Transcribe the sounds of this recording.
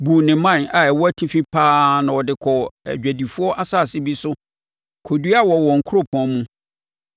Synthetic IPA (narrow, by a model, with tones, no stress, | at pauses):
bu˨nɪ̃˨mã˦˨na˨ɛ˨wɔ˦æ˦tʰĩ˦fĩ˦pʰaː˦nã˨wɔ˨dɪ˨kʰɔ˨æ̰˨d͡ʑᶣæ˨di˨fu˦ɔ˦ʔa˦saː˦˨sɪ˦bi˦sʊ˦ | kʰo˨du˦a˦wɔ˨wɔ̃˨ŋ̩˨kʰʊ˦ɾo˦˨pʰɔ̃˨˦mũ˦